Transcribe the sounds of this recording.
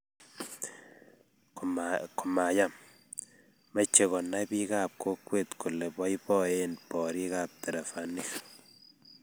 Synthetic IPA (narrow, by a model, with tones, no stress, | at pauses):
ko˨ma˨ja˦m | ma˦t͡ʃe˨ɣɔ˨na˦bi˦ɣa˦˨p̚kʰo˦kwe˦˨t̪ku˨lɛ˨bɔ˦i˦bɔ˦e˦npɔ˨ɾi˦ɣa˦p̚t̪ɛ˨ɾɛ˨fa˨ni˦k